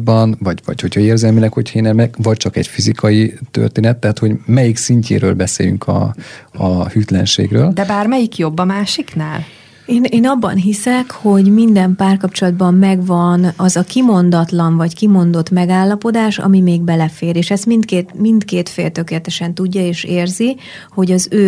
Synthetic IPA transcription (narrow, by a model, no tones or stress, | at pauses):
bɒnvɒɟvɒ̰cho̞chɒeːrzɛlmiːnɛkho̞cʰenɛmɛkvɒc̚t͡ʃɒkɛ̰cfizikʰɒjit̪ø̰rt̪eːnɛt̪ːɛɦat̪ho̞ɟmɛjiksiɲcʰḛːɾø̰ːlbɛsḛːjy̰ŋkʰɒ̰ɒhyt̪lɛ̰nʃḛːɡrøːld̪ɛbaːrmɛjikjo̞bːɒmaːʃiknaːl | eːneːnɒbːɒ̰nɦisɛkho̞ɟmind̪ɛmpaːrkɒpt͡ʃo̞lɒd̪bɒmːɛɡvɒnɒzɒkimo̞nd̪ɒt̪lɒnvɒckimo̞nd̪o̞t̪mɛɡaːlːɒpo̞d̪aːʃɒ̰mimeːɡ̚bɛlɛfeːɾeːʃɛst̪mint̪keːt̪mind̪keːt̪feːlt̪ø̞keːlɛt̪ɛʃɛnt̪uɟːɒeːʃeːrzi | ho̞ɟɒzøː